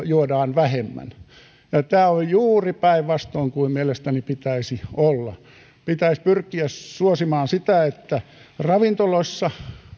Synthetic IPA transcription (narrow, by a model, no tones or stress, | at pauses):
juodɑːnʋæhemːæ̰n | jɑt̪æːojjuːripæiʋʋɑst̪oiŋkuimmielest̪ænipit̪æisiolːɑ | pit̪æispyrkːiæssuosimɑːnsit̪æet̪ːæ | rɑʋint̪oloisːɑ